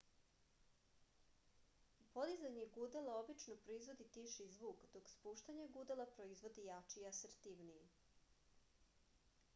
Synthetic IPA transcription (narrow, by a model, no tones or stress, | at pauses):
po̞d̪izaɲeɡud̪elao̞bit͡ʃnopɾoizʋo̞d̪it̪iʃizʋuːkd̪okspuːʃt̪aɲeɡud̪elˠapɾo̞izʋo̞d̪ijat͡ʃiaseɾt̪iʋnije